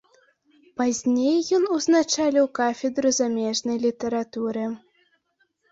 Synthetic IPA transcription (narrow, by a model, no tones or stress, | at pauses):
pazʲnʲejːɔnuznat͡ʂalʲɛwkafʲɛd̪ɾuzamʲɛʐnɐjlʲit̪ɛɾat̪uɾɨ